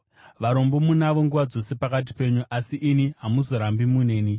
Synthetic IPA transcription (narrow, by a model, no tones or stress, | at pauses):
ʋaɾo̞mbo̞munaʋo̞ŋɡuʋad͡zo̞se̞pakat̬i̥pe̞ɲuʔasiʔiniɦamuzo̞ɾambimune̞ːni